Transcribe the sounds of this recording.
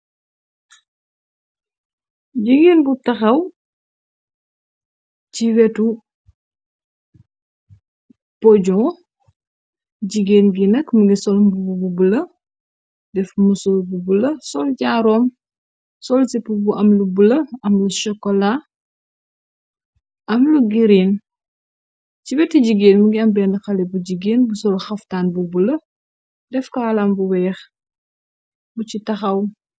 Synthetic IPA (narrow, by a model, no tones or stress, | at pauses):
ɟiɡeːnbutɐxɐw | ciwɛtu | pɔɟɔ̃ | ɟiɡeːnɡinɐkmɐɡisɔlmbubububulɐ | dɛfmusɔlbubulɐsɔlɟaːɾɔːm | sɔlsipubuʔɐmlubulɐɐmluʃɔkːɔla | ɐmluɡiɾin | cibɛtːiɟiɡeːnmuɡiɐmbɛnɐxɐlɛbuɟiɡeːnbusɔlxɐftaːnbubulɐ | dɛfkaːlambuwɛːx | bucitɐxɐw